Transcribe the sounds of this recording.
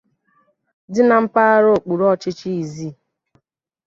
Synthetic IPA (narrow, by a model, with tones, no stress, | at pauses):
dɪ˦na˨m̩˦pa˦a˦ɾo˦˨k͡pu˨ɾɔ˦˨t͡ʃɪ˦t͡ʃi˦i˨zi˦